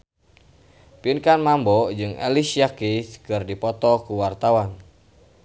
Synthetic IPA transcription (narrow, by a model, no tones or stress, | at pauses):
pinkanmambɔd͡ʒɨŋḛlisiakiskɨrdipɔt̪ɔkuwart̪awan